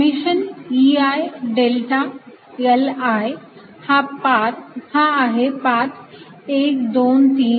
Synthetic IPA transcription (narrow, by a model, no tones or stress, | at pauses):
miʃəniajɖelʈa | elaj | hãpaɾhãaɦepat | eːk̚d̪oːnt̪ĩː